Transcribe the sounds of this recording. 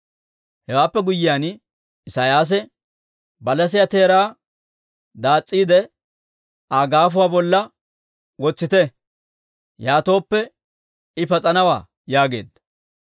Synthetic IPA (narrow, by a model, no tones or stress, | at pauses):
hɛwaːpːɛɡʊjːɪjaːn | ɪsaːjaːs̬ɛ | bɐlɐs̬ɪjat̪eːɾaː | d̪aːt͡sʼːiːd̪ɛ | aːɡaːfʊwaːbɔlːɐ | wɔt͡sːɪt̪ɛ | jaːt̪o̞ːpːɛ | ɪpɐt͡sʼɐnɐwa̰ː | jaːɡe̞̰ːd̪ɐ